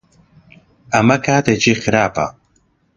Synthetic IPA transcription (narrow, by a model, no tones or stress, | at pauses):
ɐmɐkʰaːd̪ed͡ʒiːxɨɾaːpɐ̰